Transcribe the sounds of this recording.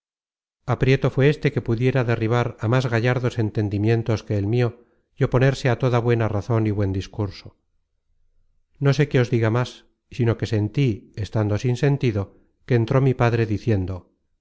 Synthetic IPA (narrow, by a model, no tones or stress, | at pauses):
apɾje̞t̪o̞fweest̪e̞ke̞puðje̞ɾaðe̞riβ̞aɾamazɣaʝaɾðo̞se̞nt̪e̞nd̪imjẽ̞nt̪o̞ske̞ːlmio̞ | jo̞po̞ne̞ɾse̞at̪o̞ðaβwe̞naraθo̞niβwe̞nd̪iskuɾso | no̞se̞ke̞o̞zðiɣamas | sino̞ke̞se̞nt̪iest̪and̪o̞sinse̞nt̪iðo̞ | ke̞ːnt̪ɾo̞mipaðɾe̞ðiθje̞nd̪o